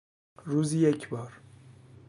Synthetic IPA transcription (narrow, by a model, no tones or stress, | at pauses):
ɾuzijecʰʲbɒɾ